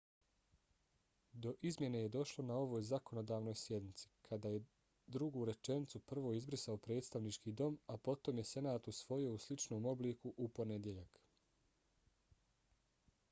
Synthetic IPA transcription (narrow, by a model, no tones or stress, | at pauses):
d̪o̞ʔizmje̞ne̞jed̪o̞ʃlˠo̞nao̞ʋo̞ːjzako̞no̞d̪aːʋno̞ːjsjed̪nit̪si̥kʰad̪aːje | d̪ɾuɡuːɾe̞t͡ʃe̞nit̪supr̩ʋo̞izbɾisaopɾe̞ːt̪st̪aʋnit͡ʃkiːd̪o̞mapo̞t̪o̞mje̞se̞naːt̪usʋo̞jio̞uslit͡ʃno̞ːmo̞bliːkuʔupo̞ne̞d̪je̞ʎak